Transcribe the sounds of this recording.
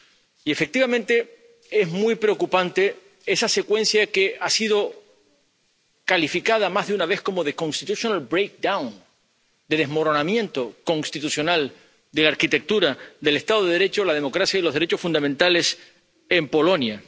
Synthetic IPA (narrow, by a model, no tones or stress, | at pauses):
ie̞fe̞k̚t̪iβamẽnt̪e̞ | e̞ɦmwijpɾeo̞kupant̪e̞ | e̞sase̞kwe̞n̟sjake̞asiðo̞ | kalifikað̞amaɦðeunaβ̞e̞hko̞mo̞ðe̞kõ̞nst̪it̪usjonalbɾejk̚d̪awn | d̪eðe̞ɦmo̞ɾo̞namjẽ̞nt̪o̞ko̞nst̪it̪usjo̞nal | d̪e̞laɾkit̪e̞k̚t̪uɾad̪e̞le̞st̪aðoðe̞ð̞e̞ɾe̞t͡ʃolað̞e̞mo̞kɾasjailo̞ɦðeɾe̞t͡ʃo̞sfũnd̪amẽnt̪ale̞s | e̞mpo̞lo̞nja